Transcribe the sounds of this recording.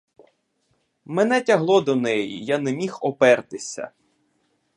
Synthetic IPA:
mɛn̪ɛtʲɐɦlˠɔd̪ɔnɛjḭjanɛmʲixɔpɛrt̪ɪsʲɐ̰

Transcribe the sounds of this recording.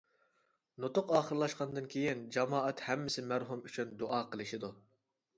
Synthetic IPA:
not̪ʊqɑːχəɾlˠɑʃqɑnd̪ɨnkʲʰejind͡ʒɑmɑːɛt̪hɛmːɪsɪmæɾɦumyt͡ʃʰynd̪oʔɑːqʰəlˠɨʃɪd̪u

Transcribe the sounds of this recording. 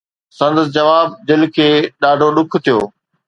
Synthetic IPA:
sɐ̃nd̪əs̬d͡ʑɐʋaːb̚d̪ɪlkʰeːɗaːɖʱoɗʊkʰt̪ʰijoː

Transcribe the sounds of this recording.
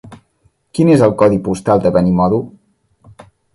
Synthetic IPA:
kinezəlˠkɔðipust̪alˠd̪əβɛnimɔðu

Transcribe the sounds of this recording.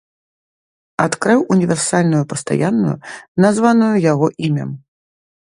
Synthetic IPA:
at̪kɾɨwʔunʲivʲɛrsalʲnujupɐst̪a̰janːujṵnazvanujujaɣɔʔimʲɐ̰m

